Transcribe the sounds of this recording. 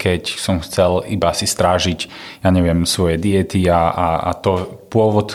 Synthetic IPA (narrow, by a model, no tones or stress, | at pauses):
kʰɛcsɔmxt͡sɛlḭbasist̪ɾaːʒicjaɲɛʋɪɛmsʋɔjɛd̪iɛt̪iaaa̰t̪ɔpʊɔʋɔt̪